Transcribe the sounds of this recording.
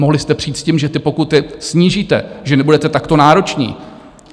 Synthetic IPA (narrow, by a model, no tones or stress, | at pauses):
moɦlɪst̪ɛpr̥iːt̪sciːmʒɛt̪ɪpo̞kut̪ɪsɲiːʒiːt̪ɛ̰ʒɛnɛbudɛt̪ɛt̪akt̪o̞naːɾo̞t͡ʃɲḭː